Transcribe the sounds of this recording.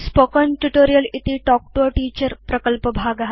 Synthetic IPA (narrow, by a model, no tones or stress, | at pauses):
spoːkɔnʈuʈoːɾijəlit̪iʈɔːk̚ʈoʈiːt͡ɕəɾpɾɐkəlpəbʱaɡɦ